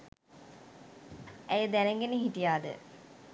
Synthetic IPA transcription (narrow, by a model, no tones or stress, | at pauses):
æjəd̪ænəŋɡenəɦiʈijaːd̪ə̰